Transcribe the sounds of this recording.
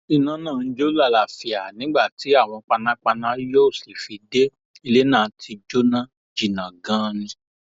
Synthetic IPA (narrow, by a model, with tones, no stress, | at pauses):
i˧˨nã˨˦nãː˦˨n̩˦d͡ʒo˦la˦˨la˨fi˨a˨nĩ˨˦ɡ͡ba˦˨ti˨˦a˦˨w̃ɔ̃˧k͡pa˧nã˦k͡pa˧nã˦jo˦˨si˨fi˧de˦ | i˧le˦nãː˦˨tʰi˧d͡ʒo˦nã˦ | d͡ʒi˨nã˨ɡã˦nĩ˨˧